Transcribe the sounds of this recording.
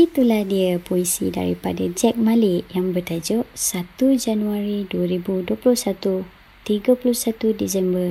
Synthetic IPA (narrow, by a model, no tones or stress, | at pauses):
it̪ulahdiapoisḭda̰ɾḭpa̰dad͡ʒɛk̚maliʔjaŋbərt̪ad͡ʒʊʔsat̪ud͡ʒanuaɾiduəɾibuduəpuluhsat̪u | t̪iɡapuluhsat̪udisɛmbər